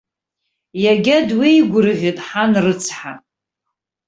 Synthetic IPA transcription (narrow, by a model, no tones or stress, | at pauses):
jaɡʲadwijɡʷʊrɨʁʲɨtʼħanrɨt͡sʰħa